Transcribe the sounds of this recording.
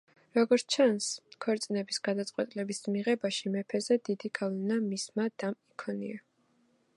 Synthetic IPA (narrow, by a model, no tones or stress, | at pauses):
ɾɔɡɔɾt͡ʃʰanskʰwɔɾt̪sʼinɛbisɡ̥ad̪at̪sʼqʼwɛt̪ʼilɛbismiʁɛbaʃimɛpʰɛzɛd̪id̪iɡavlɛnamismad̪̥amikʰɔnḭa